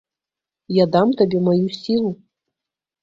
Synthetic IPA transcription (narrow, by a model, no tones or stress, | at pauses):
jad̪amt̪abʲemajusʲilˠu